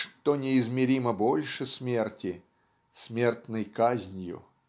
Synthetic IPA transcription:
ʂt̪onʲɪɪzmʲɪɾʲiməbolʲʂɨsʲmʲe̞rtʲɪ | sʲmʲe̞rt̪nɨjkazʲnʲjʊ̰

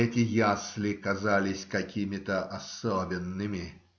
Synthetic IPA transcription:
ɛtʲɪjaslʲɪkɐzalʲɪsʲkɐkʲimʲɪt̪əʔɐsobʲɪnːɨmʲɪ

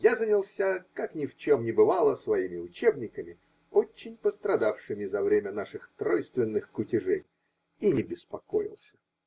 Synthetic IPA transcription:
jazənʲɪlˠsʲakaknʲɪft͡ɕo̞mnʲɪbɨvalˠəsvɐimʲɪʊt͡ɕebnʲɪkəmʲɪ | o̞t͡ɕːɪnʲpəst̪ɾɐd̪afʂɨmʲɪzɐvɾʲemʲənaʂɨxt̪ɾojst̪vʲɪnːɨxkʊtʲɪʐej | inʲɪbʲɪspɐko̞̰jɪ̰lˠsʲə̥

